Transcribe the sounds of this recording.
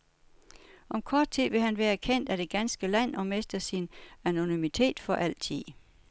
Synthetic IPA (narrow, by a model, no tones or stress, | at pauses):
ʔɒ̽mkʰɒːd̥̚t͡sʰið̰ˠʋe̝ɦænʋæːɐkʰen̰d̥æd̥e̝ɡ̥ænsɡ̥əlæn̰ɒ̽mesd̥ɐsinæno̝nymit͡sʰe̝̰ːd̥fɒ̽ʔæl̰t͡sʰið̰ˠ